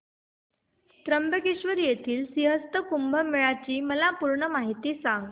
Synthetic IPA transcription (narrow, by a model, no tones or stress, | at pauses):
st̪ɾəmbəkiɕʋəɾjet̪ʰiːlsiɦəst̪əkumbʱəmiɭat͡ɕiːməlapuɾɳəmaɦit̪iːsãŋɡ